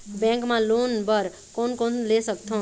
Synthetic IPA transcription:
bẽŋkmãlonbʌɾ | konkonlesəkt̪ʰõ

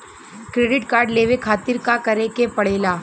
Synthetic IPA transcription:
kɾeːɖɪʈkaːɾɖleːʋekʰaːt̪ɪɾkakɐɾekepɐɽ̤eːlaː

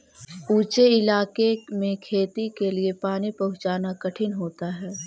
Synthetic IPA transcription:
uːt͡ʃeɪlaːkemẽkʰeːt̪ikeliepaːnipɐɦʊ̃t͡ʃaːnakɐʈʰɪnɦoːt̪aɦɛː

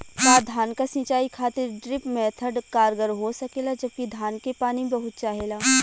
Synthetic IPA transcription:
k̪aːd̪ʱaːnkasɪ̃ːt͡ʃaːikʰaːt̪ɪɾɖɾɪpmɛːt̪ʰəɖkaːɾɡəɾɦosɐkeːlad͡ʒɐb̚kid̪ʱaːnkepaːnibɐɦʊt̪̚t͡ʃaːɦeːlaː

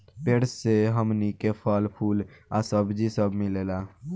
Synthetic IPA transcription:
peɾsːeɦəmnikepʰəlpʰulasəbd͡ʒisəbmilela

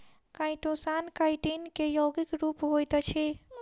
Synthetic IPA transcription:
kãjʈosankajʈinkejoɡikɾupɦojt̪t͡ʃʰi

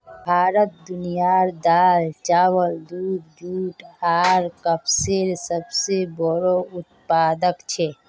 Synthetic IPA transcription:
bʱaːɾət̪̚d̪ʊnijaɾd̪aːlt͡ʃaːwəld̪uːd̚d͡ʒ̪uːʈʰaːɾkəpseɾsəbsebɔɾoʊt̪̚paːd̪əkt͡ʃʰɛ

